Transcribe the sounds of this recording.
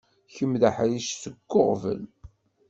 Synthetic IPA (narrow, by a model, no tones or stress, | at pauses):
çəmðaħjiʃsəɡːoʁvə̰l